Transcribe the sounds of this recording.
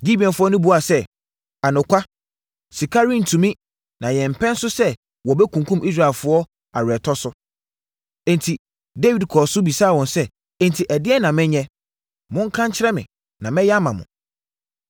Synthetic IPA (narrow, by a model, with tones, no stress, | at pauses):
ɡi˦bi˨ɛ̃˨nfʊ˦ɔ˦nʊ̃˦bu˨˦a˨sɛ˦ | a˨nʊ̃˨kʷʰa˦ | si˨kʰa˦ɾĩ˦˨n̩˨tʰũ˨mĩ˦ | nã˨jɛ̃˨m̩˨pʰɛ̃˦n˦sʊ˦sɛ˦ | wɔ˨bɛ˦kʰũ˨kʰũ˦mʔi˦s̬ɾa˨ɪ˨lfʊ˦ɔ˦ | a˨ɾɛ˨tʰɔ˦sʊ˦ | ɛ̃˨ntʰi˨ | de˦wi˨dkʰɔ˨sʊ˦bi˨saː˦˨wɔ̃˨nsɛ˦ | ɛ̃˦n˨tʰi˨ʔɛ˨dɪ˦ɛ˦nã˨mɪ̃˦ɲɛ̃˦ | mʊ̃˦ŋ̩˦kʰã˦ɲt͡ɕʰɪ˦ɾɛ˦mɪ̰̃˨ | nã˨mɛ̃˦ja˦mã˨mʊ̰̃˨